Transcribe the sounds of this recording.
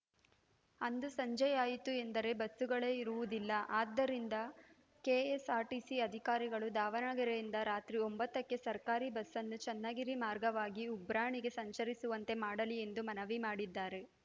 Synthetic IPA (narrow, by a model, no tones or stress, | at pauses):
ɐnd̪usɐɲd͡ʒɐjaːjit̪ue̞nd̪ɐɾe̞bɐsːuɡɐɭe̞ːiɾuʋud̪ilːɐʔaːd̪ːɐɾind̪ɐ | keːesaːɾʈisiɐd̪ʱikaːɾiɡɐɭud̪aːʋɐnaːɡɐɾejind̪ɐɾaːt̪ɾio̞mbɐt̪ːɐkːe̞sɐɾkaːɾibɐsːɐnːut͡ʃɛnːaɡiɾimaːɾɡɐʋaːɡiubɾaːɳiɡe̞sɐɲt͡ʃɐɾisuʋɐnt̪e̞maːɽɐlie̞nd̪umɐnɐʋimaːɽid̪ːaːɾe̞